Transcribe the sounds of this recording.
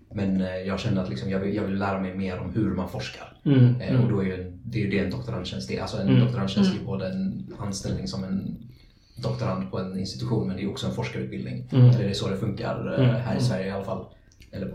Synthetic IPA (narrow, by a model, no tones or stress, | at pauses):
mɛnjɑːɡɕɛnːəɾat̪lɪksɔmjɑːɡvɪjɑːɡvɪljlæːɾamɛjmeːɾɔ̰mhɵɾmanfɔʂka̰ɾ | ɔd̪ɔæɾjɵɛnd̪ɛæɾjɵd̪ɛːnd̪ɔkt̪ʊɾand̪ɕɛnst̪ɛ̰ʔa̰lsɔɛnd̪ɔkt̪ʊɾanʃɛnst̪əjəboːd̪əɛnanst̪ɛ̰lnɪŋsɔmɛn | d̪ɔk̚t̪ʊɾand̪pʰɔɛnɪ̰nst̪ɪ̥t̪ɵɧuːnmɛnd̪ɛːjɔksɔɛnfɔʂkaɾʉ̟t̪bɪld̪nɪ̰ŋɛlːɛɖɛsod̪ɛfɵŋka̰ɾɦæ̰ːɾɪsvæɾjəɪalːafa̰lː | ɛlːə